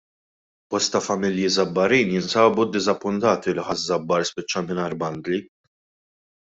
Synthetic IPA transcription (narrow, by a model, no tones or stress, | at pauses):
b̥ɔst̪ɐfɐmɪljizɐbːɐɾiːnjɪnsɐːbud̪ːɪzɐpːʊnt̪ɐːt̪ilɪħɐzzːɐbːɐɾspɪt͡ʃːɐmɪnɐːɾbɐnd̪li